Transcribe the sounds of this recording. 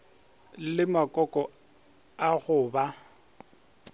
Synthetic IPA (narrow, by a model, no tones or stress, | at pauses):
lɪmakʼɔkʼɔ | aɣʊːba